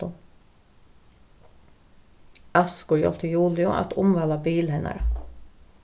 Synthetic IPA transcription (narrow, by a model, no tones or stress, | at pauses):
ʊ | ɑskʊɹjɔ̰lt̪ʰəjuːlɪʊʔɑ̰t̪ʰʊmʋɑːlɑbiːlhɛnɑ̰ɾə